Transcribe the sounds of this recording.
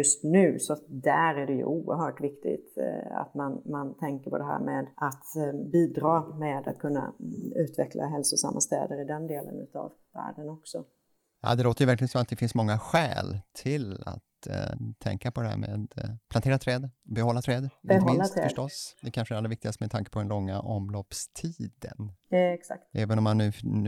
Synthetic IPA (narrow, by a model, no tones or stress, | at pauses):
jɵst̪nʉ̟ːsɔd̪æɾæɖɛjɵ̰ʔuːəɾɦœːʈvɪkt̪ɪ̰ɡt̪a̰t̪manmant̪ʰɛŋkəpʰɔd̪ɛɦæ̰ːɾmeːd̪ʔat̪biːd̪ɾɑːmeːd̪at̪̚kʰɵnːa̰ʉ̟ːt̪vɛkla̰ɦɛlsʊsa̰mːast̪ɛ̰ːd̪əɾɪd̪ɛnd̪eːlə̰nʉ̟ːt̪ɑ̰v | væ̰ːɖənɔksɔ | jɑ̰ːd̪ɛloːt̪əjʏvæɾklɪɡənsɔmat̪̚d̪ɛfɪnsmɔŋːaɧɛ̰ːlt̪ʰɪla̰t̪ʰː | ɛ̰ŋkapʰɔd̪ɛæ̰ːɾmḛːd̪pʰlaneːɾat̪ʰɾɛːd̪bɛɦɔlːat̪ʰɾɛːd̪ɛɦmɪːast̪ɾɛfœdʂʈɔsd̪ɛkʰanʂəæɾalːɛvɪk̚t̪ɪɡast̪əmɛd̪ʰaŋkə̥pʰɔd̪ɛnlɔŋːaʔɔmloːpst̪ʰiːd̪ə̰nksa̰k̚t̪ɛːvənɔmːanːʉ̟ː